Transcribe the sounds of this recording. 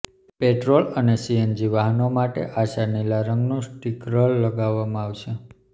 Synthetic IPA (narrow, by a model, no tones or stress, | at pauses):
peʈɾolənesiend͡ʒiʋaɦənomaʈḛʔaʃanilaɾəŋɡnũsʈikɾəlːəɡaʋːamãaʋʃe